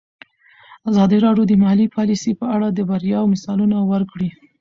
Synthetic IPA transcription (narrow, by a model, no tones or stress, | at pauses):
azɑd̪iɾɑɖjod̪əmahalipʰɑlisepəaɽad̪əbaɾjɑwmɪsɑlunawəɾkɽi